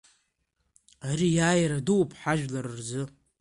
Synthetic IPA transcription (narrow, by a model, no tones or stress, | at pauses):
aɾijaːjɾaduwpʰħaʒᶣlaɾɨrzɨ